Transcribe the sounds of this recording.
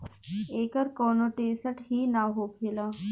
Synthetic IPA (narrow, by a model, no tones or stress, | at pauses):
eːkəɾkɔːnoːʈeːsəʈɦiːnaːɦoːpʰeːlaː